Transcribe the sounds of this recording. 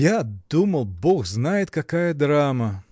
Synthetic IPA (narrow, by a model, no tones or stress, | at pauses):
jad̪uməlˠboxznajɪt̪kɐkajəd̪ɾamə